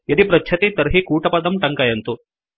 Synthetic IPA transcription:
jɐd̪ipɾɐtːt͡ʃʰɐt̪it̪ɐɾɦikuːʈɐpɐd̪ɐmʈɐŋkajɐnt̪o

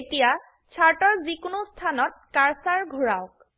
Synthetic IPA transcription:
etija | t͡ʃʰaɹʈɔɹzikunostʰanɔt̚kaɹsaɹɡʱuɹaʊk̚

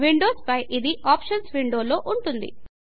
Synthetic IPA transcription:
ʋiɳɖoːspɐjʔid̪iʔaːpʃɐnsʋiɳɖo̞ːlo̞ːʔuɳʈund̪ḭ

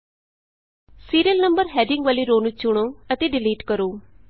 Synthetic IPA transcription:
siːɾiəlnəmbəɾɦɛːɖɪŋɡʋaːliːɾoːnut͡ʃʊɽ̃oːət̪eːɖɪliːʈkəɾoː

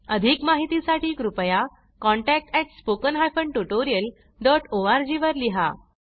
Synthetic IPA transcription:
əd̪ʱikmaɦit̪isaʈiːkɾupəja | kɔ̃ɳʈæk̚ʈɛʈspokənɦajfəɳʈuʈoɾijəl | ɖɔʈoaɾd͡ʑiʋəɾliɦa̰

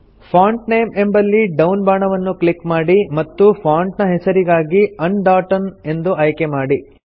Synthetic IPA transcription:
pʰaːɳʈnejme̞mbɐlːiɖɐwnbaːɳɐʋɐnːuklikmaːɽimɐt̪ːupʰaːɳʈnɐɦɛsɐɾiɡaːɡiɐnɖaːʈɐne̞nd̪uɐjkemaːɽi

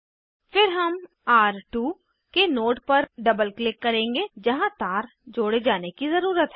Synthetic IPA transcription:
pʰɪɾɦəm | aːɾʈuː | kenoːʈpəɾɖəbəlklɪkːəɾẽːŋɡeːd͡ʒəɦãːt̪aːɾ | d͡ʒoːɽed͡ʒaːnekizəɾuːɾət̪ɦɛː

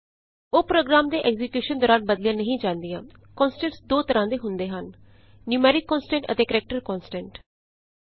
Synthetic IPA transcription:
oːpɾoːɡɾaːmd̪eːʔɛːɡzɪkjuːʃənd̪ɔːɾãːnbəd̪lɪjãːnəɦĩːd͡ʒãːnd̪ijãː | kɔːnsʈɛ̃ɳʈsd̪oːt̪əɾãːd̪eːɦʊnd̪eːɦənː | juːmɛːɾɪkːɔ̃ːnsʈɛ̃ɳʈə̰t̪eːkəɾɛk̚ʈəɾkɔːnsʈɛ̃ɳʈ

